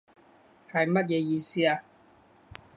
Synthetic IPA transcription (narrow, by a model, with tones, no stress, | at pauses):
hɐ˨jmɐ˦˥t̬̚jɛː˨˧jiː˧siː˥aː˧